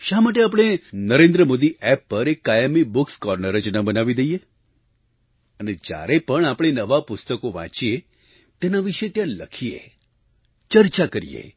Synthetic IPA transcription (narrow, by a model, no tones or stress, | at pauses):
ʃamaʈ̬eap̬ɽ̃enəɾẽnd̪ɾəmod̪iʔɛpːəɾekːajəmibukskɔɾnəɾəd͡ʒnəbənaʋid̪eije | əned͡ʒja̰ɾepəɳapɽ̃enəʋapʊst̪əkoʋã̰t͡ʃie | t̪enaʋiʃet̪jãləkʰijḛ | t͡ʃəɾt͡ʃakəɾḭjḛ